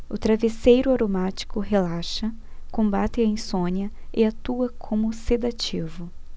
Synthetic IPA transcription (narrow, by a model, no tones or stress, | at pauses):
ʊt̪ɾavesejɾʊaɾomat͡ʃi̥kʊɦelaʃɐ | kõmbat̪ɪɐĩsõniɐɪat̪uɐkʰõmʊsed̪at͡ʃivʊ